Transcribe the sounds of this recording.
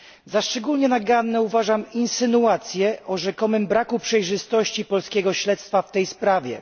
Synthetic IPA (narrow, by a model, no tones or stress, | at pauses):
zaʂt͡ʂɛɡulɲɛnaɡanːɛuvaʐaminsɘnuat̪sʲjɛʔɔʐɛkɔmɘmbɾakupʂɛjʐɘst̪ɔɕt͡ɕipɔlskʲɛɡɔɕlɛt̪st̪faft̪ɛjspɾavʲjɛ̰